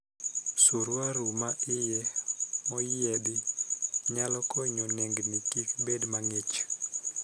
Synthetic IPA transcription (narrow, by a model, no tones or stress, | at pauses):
suɾwaɾumaʔɪjɛmɔjɪɛdɪɲalɔkɔɲɔneŋɡnikikbedmaŋet͡ʃ